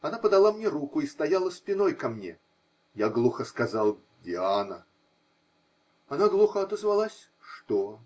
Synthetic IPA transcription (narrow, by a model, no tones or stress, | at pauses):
ɐnapəd̪ɐlˠamnʲeɾukʊist̪ɐjalˠəspʲɪnojkɐmnʲḛ | jaɡlˠuxəskɐzalˠ | dʲɪanə̰ | ɐnaɡlˠuxəɐt̪əzvɐlˠasʲ | ʂt̪o